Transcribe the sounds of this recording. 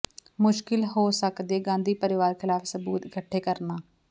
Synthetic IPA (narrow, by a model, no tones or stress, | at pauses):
mʊʃkɪlɦoːsəkd̪eːɡãːnd̪iːpəɾɪʋaːɾkʰɪlaːfsəbuːt̪ɪkəʈʰːeːkəɾnaː